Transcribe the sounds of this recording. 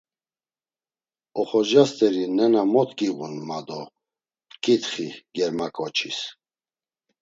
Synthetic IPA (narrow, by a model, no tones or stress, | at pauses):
ɔχɔʒast̪ʼɛɾinɛnamɔt̪ʰʼkʼiɣunmad̪ɔ | kʼit̪χiɡɛɾmakʼɔt͡ʃʰis